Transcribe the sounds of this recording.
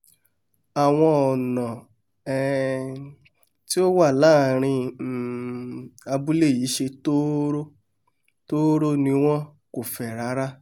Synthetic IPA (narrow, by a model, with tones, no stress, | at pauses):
a˨w̃ɔ̃˧ɔ˨nã˨ | ɛ˧ | ti˦o˦wa˦˨laː˦˨ɾ̃ĩ˧˨ | a˧bu˦le˦˨ji˨˦ʃe˧to˦ɾo˦ | to˦ɾo˦nĩ˧w̃ɔ̃˦ko˨fɛ˨ɾa˨˦ɾa˦